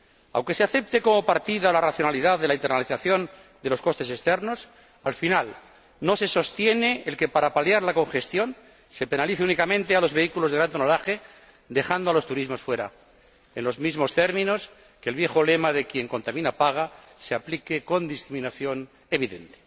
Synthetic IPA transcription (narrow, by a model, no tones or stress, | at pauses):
a̰wŋke̞se̞aθe̞p̚t̪e̞ko̞mo̞paɾt̪iðalaraθjo̞naliðaðe̞laint̪̬enaliθaθjo̞n | d̪e̞lo̞sko̞st̪e̞sest̪e̞ɾno̞s | alfinal | no̞se̞so̞st̪je̞ne̞ːlke̞paɾapaljaɾlako̞ŋxe̞st̪jo̞n | se̞pe̞naliθeunikamẽ̞nt̪ealo̞zβeikulozðɾant̪onolaxe̞ | d̪e̞xand̪oalo̞st̪uɾizmo̞sfwe̞ɾa̰ | enlo̞zmizmo̞st̪e̞ɾmĩno̞s | kelβje̞xo̞le̞maðe̞kje̞ŋko̞nt̪amĩnapaɣ̞a | seaplikeko̞nd̪iskɾiminaθjo̞n | e̞βiðe̞̰nt̪e̥